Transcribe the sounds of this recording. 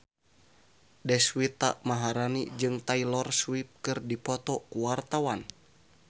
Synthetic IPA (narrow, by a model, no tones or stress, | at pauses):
dɛswit̪a̰ʔmaɦaɾanid͡ʒɨŋt̪ailɔrswip̚kɨrdipɔt̪ɔkuwart̪awan